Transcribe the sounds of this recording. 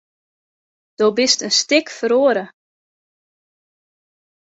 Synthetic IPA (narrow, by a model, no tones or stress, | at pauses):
d̥obɪstənstɪkfəɾoːəɾə